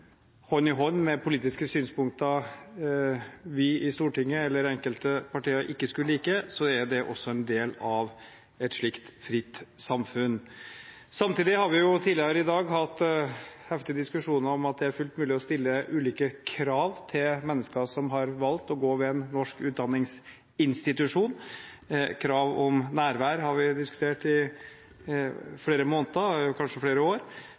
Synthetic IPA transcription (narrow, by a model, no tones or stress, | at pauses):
hɔnɪɦɔnːmɛpʰʊliːt̪ɪskəsyːnspʊŋk̚t̪ɑ | ʋɪɪst̪uːʈɪŋːəɛlːəɾɛŋkəlt̪əpʰɑʈiːəɾʔɪkːəskʉlːəliːkəsɔæɾɖɛʔɔ̰sːɔɛnd̪eːlɑʋ | ɛt̪ʂɭɪkt̪fɾɪt̪ːsɑmfʉn | sɑmt̪ʰiːd̪ɪhɑɾʋɪjʊt̪ʰiːlɪəɾəɪd̪ɑːɡɦɑt̪ːhɛft̪ɪəd̪ɪskʉʂuːnəɾɔmɑt̪̚d̪ɛæɾfʉlt̪mʉːlɪɔst̪ɪlːəʔʉːliːkəkʰɾɑːʋt̪ʰɪlmɛnːəskəsɔmɦɑɾʋɑlt̪ɔɡoːʋɛɛnːɔʂkʉːt̪̚d̪ɑnːɪŋs | ɪnst̪ɪt̪ʉʂuːn | kʰɾɑːʋɔmnæːɾʋæːɾəhɑɾʋɪd̪ɪskʉ̥t̪ʰeːʈɪ | fleːɾəmoːnt̪əkʰɑnʂəfɽeːɾəoːɾ